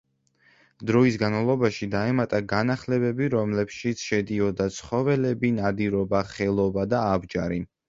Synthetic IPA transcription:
d̪ɾɔisɡanmalˠɔbaʃid̪aɛmat̪ʼaɡanaχlɛbɛbiɾɔmlɛpʃit̪sʰʃɛd̪iɔd̪at̪sʰχɔvɛlɛbinad̪iɾɔbaχɛlˠɔbad̪aːbd͡ʒaɾi

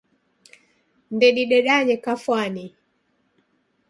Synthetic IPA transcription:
ndɛɗiɗɛɗaɲɛkafwani

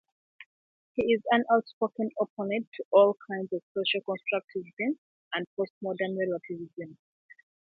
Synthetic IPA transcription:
hiɪzãnaʊtspɹokə̃nɔpʰɔnɛ̃ntʰuʔɔlˠkʰãɪ̃ndzɔv̥soʃalˠkɔ̃nstʰɹ̥ak̚tizbɛ̃ns | ə̃nd̚pʰost̚mɔdənɹɛlɹakʰivizə̃n

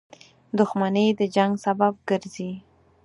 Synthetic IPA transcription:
d̪ʊxmanəd̪əd͡ʒaŋɡsabab̚ɡəɾzi

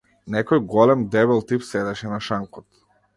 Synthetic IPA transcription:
nɛkɔjɡɔlɛmd̪ɛβɛlˠt̪ipsɛd̪ɛʃɛnaʃaŋkɔt̪

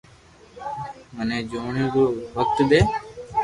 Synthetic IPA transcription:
mənẽːd͡ʒoːɳĩːɾoːʋək̚t̪d̪eː

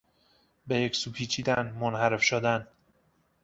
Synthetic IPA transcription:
bejecsuːpʰiːt͡ʃʰiːd̪ænmonhæɾefʃod̪æn

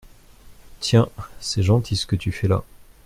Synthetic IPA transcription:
t̪ʰjɛ̃sɛʒɑ̃t̪ʰisə̥kət̪yfɛla̰

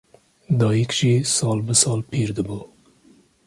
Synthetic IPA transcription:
d̪ɑjikʃisɑːlbəsɑːlpʰiɾd̪əbo

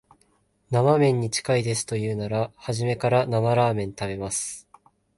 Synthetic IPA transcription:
namamẽ̞ɲ̟ːit͡ɕi̥kaid̪e̞sɨ̥t̪o̞jɯ̟ːnaɾahaʑime̞kaɾanamaɾaːmẽ̞nt̪abe̞masɨ̥

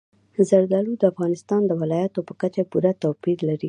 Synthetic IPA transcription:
zaɾd̪ɑlud̪əafɣɑnɪst̪ɑnd̪əwɪlɑjat̪opə̥kat͡ʃapuɾat̪apid̪laɾi

